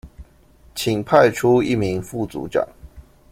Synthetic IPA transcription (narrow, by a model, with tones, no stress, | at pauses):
t͡ɕʰi˨˩ŋpʰa˥˨ɪʈ͡ʂʰu˦ḭ˥˨mi˨˦ŋfu˥˩t͡sṵ˨˧˥ʈ͡ʂɑ̰˨˩˦ŋ